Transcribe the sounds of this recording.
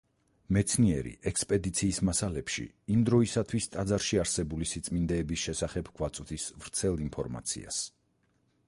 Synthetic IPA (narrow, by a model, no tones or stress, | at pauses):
mɛt̪sʰniɛɾḭʔɛkspʼɛd̪it̪sʰiːsmasalɛpʃḭ | imd̪ɾɔisat̪ʰwist̪ʼad̪zaɾʃiaɾsɛbulisit̪sʼmind̪ɛːbisʃɛsaχɛbɡ̥wat̪sʼwd̪ʰisvɾt̪sʰɛlˠinpʰɔɾma̰t̪sʰḭa̰s